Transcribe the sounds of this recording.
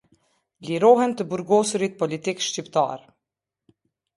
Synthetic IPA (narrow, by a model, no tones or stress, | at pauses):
liɾɔhɛnt̪əbuɾɡɔsuɾit̪̚pɔlit̪ikʃcipt̪a̰ɾ